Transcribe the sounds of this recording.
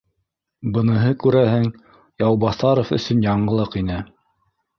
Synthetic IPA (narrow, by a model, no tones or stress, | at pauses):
bɤ̆nɤ̆ɦɤkʉɾæhɘŋ | jɑwbɑθɑɾofɵ̰̆sɵnjɑɴɢɤ̆lˠɤqinɘ